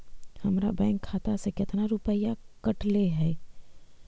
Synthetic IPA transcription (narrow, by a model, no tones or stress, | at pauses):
həmɾa̰bɛ̃ːŋkʰːaːt̪asekɪt̪ʰnaɾʊpəjakəʈleɦɛː